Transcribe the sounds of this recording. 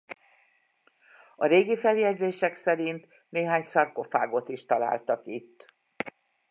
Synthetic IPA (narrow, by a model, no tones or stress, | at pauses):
ɒɾeːɡifɛljɛɟzeːʃɛksɛɾint̪ | neːɦaːɲsɒrko̞fa̰ːɡo̞t̪iʃt̪ɒla̰ːlt̪ɒkit̪ː